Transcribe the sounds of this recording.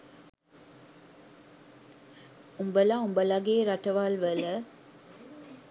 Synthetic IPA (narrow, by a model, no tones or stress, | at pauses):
ʊmbəlãːʊmbɐlaɡeɾɐʈːɐʋaːlʋɐlə